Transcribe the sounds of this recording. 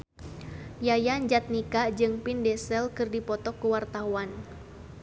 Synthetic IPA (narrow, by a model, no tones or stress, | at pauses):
jajaɲd͡ʒat̪̚nikad͡ʒɨŋpindɛsɛlkɨrdipɔt̪ɔkːuwart̪auan